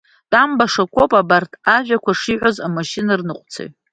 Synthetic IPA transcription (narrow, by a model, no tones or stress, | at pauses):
d̥ʼambaʂakʷʰo̞pʼabartʰaʒᶣakʷʰaʂiʕʷozamaʃinarnɨqʷʼt͡sʰḛjt